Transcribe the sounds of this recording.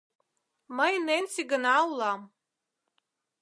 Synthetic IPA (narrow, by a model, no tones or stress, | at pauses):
mainejnsiɡɨnawlam